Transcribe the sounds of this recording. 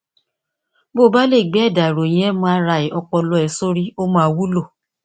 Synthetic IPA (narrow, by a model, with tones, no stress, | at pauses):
bo˦˨˦ba˦le˦˨ɡ͡bɛ˨˦˨da˨ɾo˨j̃ɛ̃˨˦mã˧a˧˦ɾa˧i˨ʔɔ˧k͡pɔ˧lɔ˧˦ɛ˨˧˨so˦ɾi˦o˦mã˧a˧wu˦lo˦˨